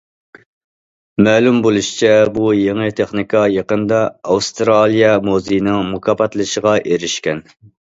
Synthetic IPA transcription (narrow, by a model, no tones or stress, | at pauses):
mɛːlumbolˠuʃi̥t͡ʃʰɛbujeŋɨt̪ʰeχnikʰɑjɑqənd̪ɑːwst̪ɾɑlˠijɑmozijnɨŋmukʰɑpɑt̪lˠɨʃəʁɑʔeɾɪʃkʲɛn